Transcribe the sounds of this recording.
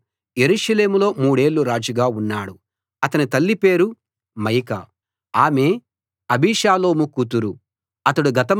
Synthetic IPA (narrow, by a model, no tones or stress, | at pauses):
je̞ɾuːʂɐle̞ːmulo̞ːmuːɽe̞ːɭːuɾaːd͡ʒuɡaːunːaːɽu | ɐt̪ɐnit̪ɐlːipe̞ːɾu | mɐjkɐ̰ | aːme̞ː | ɐbiːʃaːlo̞ːmukuːt̪uɾu | ɐt̪ɐɽuɡɐt̪ɐm